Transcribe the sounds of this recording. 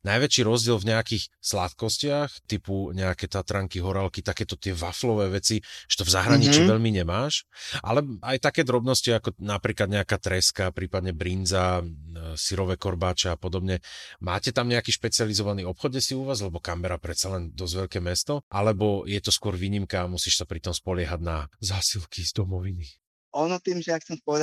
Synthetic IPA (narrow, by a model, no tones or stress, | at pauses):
najʋɛt͡ʃiɾɔzɟɪɛlvɲɛakixslat̪kɔscɪaxt̪ipuɲɛakɛt̪at̪ɾaŋkiɦɔɾalkit̪akɛːt̪ɔt̪ɪɛʋaflɔʋɛːʋɛt͡siʒɛ̥t̪ɔvzaɦɾaɲit͡ʃiːʋɛʎmiɲɛmaːʃʔa̰lɛajt̪akɛːd̪ɾɔbnɔsciakɔnapɾiːklad̪̚ɲɛakaːt̪ɾɛskapɾiːpad̪ɲɛbɾind͡za | siɾɔʋɛkɔɾbaːt͡ʃɛapɔd̪ɔbɲɛmaːcɛt̪amɲɛakiːʃpɛt͡sɪalizɔʋaniɔpxɔd̪jɛsiuʋaːzlɛbɔkamɛɾapɾɛt̪t͡salɛnd̪ɔzʋɛʎkɛːmɛst̪ɔʔalɛbɔjɛt̪ɔskwɔɾʋiːɲimkaːmusiːʃsapɾit̪ɔmspɔlɪɛɦaɟnazaːsilkizd̪ɔmɔʋini | ɔnɔt̪iːmʒɛjakxt͡sɛmpɔʋɛd̪